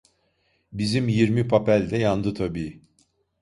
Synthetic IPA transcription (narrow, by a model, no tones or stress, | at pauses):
bizimjiɾmipʰapælʲd̪ɛjand̪ɯt̪ʰabiː